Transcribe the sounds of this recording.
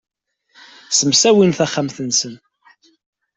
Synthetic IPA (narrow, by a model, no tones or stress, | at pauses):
səmsæwinθæχːamθənsən